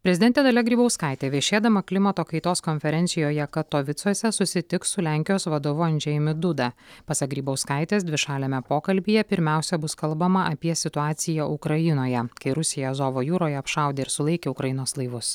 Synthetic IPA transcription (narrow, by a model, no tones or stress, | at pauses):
pʲɾʲɛzʲɪd̪ʲɛnt̪ʲeːd̪ɐlʲɛɡɾʲiːbɐʊskɐˑɪt̪ʲeːʋʲiɛʃʲeːd̪ɐmɐklʲɪmɐt̪oːkɐɪt̪oːskɔnʲfʲɛɾʲɛnʲt̪sʲɪjoːjɛkɐt̪ːoːʋʲɪt̪suɔsʲɛsʊsʲɪt̪ʲɪkssʊlʲæːˑŋʲkʲɪjoːsʋɐd̪oːʋʊɐnʲd͡ʒʲɛjɪmʲɪd̪ʊd̪ɐpɐsɐk̚ɡɾʲiːbɐʊskɐˑɪt̪ʲeːsd̪ʲʋʲɪʃɑːlʲemʲɛpoːkɐlʲbʲiːjɛpʲɪɾʲmʲæˑʊsʲɛbʊskɐlˠbɐmɐʔɐpʲiɛsʲɪt̪ʊɑːt̪sʲɪjɛʔʊkɾɐjɪnoːjɛkɐɪɾʊsʲɪjɛzoːʋoːjuːɾoːjɛɐpʃɑˑʊd̪ʲeːɪɾsʊlˠɐɪkʲeːʊkɾɐjɪnoːslˠɐɪʋʊs